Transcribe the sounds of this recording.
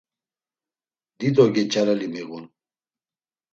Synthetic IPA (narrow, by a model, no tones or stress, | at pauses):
d̪id̪ɔɡet͡ɕaɾɐlimeɣun